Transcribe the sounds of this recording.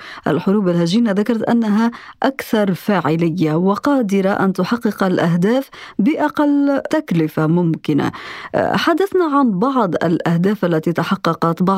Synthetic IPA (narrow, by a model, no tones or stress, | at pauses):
ʔa̰lħʊɾuːbalhaʒiːnaðakɑɾˤɑt̪ʔa̰nːaɦaʔakθɑɾˤfaːʕɪlɪjːawɪqɑːd̪ɪɾaʔa̰nt̪ʊħɑqːɨqalʔaɦd̪aːfbɪʔɑqɑlːt̪aklɪfamʊmkɪna̰ħad̪ːaθnaʕanbɑʕd̪ˤa̰lʔahd̪aːfʔalːæt̪it̪aħɑqːɑqɑt̪bɑ